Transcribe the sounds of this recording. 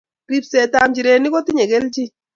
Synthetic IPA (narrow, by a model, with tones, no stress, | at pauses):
ɾi˦psɛ˨ta˨mt͡ʃi˨ɾe˨ni˦kɔ˦ti˦ɲɛ˨kɛ˦lt͡ʃi˦